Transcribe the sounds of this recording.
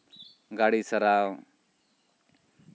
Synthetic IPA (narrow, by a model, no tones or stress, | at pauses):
ɡaɽisɐɾaw